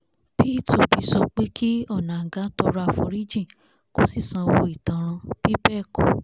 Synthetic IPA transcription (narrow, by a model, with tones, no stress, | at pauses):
pi˦to˧˦bi˧sɔ˧k͡pe˦ki˦ɔ˦˨nã˨ɡa˨˦to˦ɾa˧fɔ̰˧ɾi˦d͡ʒĩ˦˨ | ko˦si˦˨sã˧wo˧˦i˦˨tã˨˦˧b̥i˦bɛ˦˨ko˨